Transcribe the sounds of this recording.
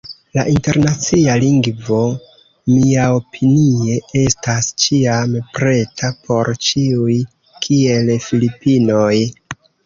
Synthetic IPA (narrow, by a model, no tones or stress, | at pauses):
la̰ʔinte̞ɾnat͡sialiŋɡvo̞ | miao̞pʰinie̞e̞stast͡ʃiampɾe̞tʰapʰo̞ɾt͡ʃiuj | kʰie̞lfilipino̞j